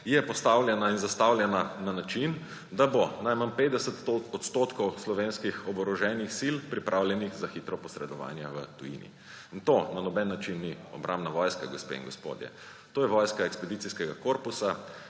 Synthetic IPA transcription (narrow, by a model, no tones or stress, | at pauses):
jɛpɔst̪awljɛnainzast̪awljɛnananat͡ʃin | d̪abonajmanpeːd̪ɛsət̪ɔt̪st̪oːt̪kɔwslɔʋenskixɔbɔɾɔʒɛnixsilpɾipɾʔawljɛnixzaxiːt̪ɾɔpɔsɾɛd̪ɔʋa̰ːnjɛʋət̪ujḭnḭ | int̪onanɔbɛnːat͡ʃinːiɔbɾʔamnaʋɔjskaɡɔspḛḭŋɡospo̰ːd̪jɛ̰ | t̪oːjɛʋɔjskaɛkspɛd̪it̪siskɛɡakoɾpusa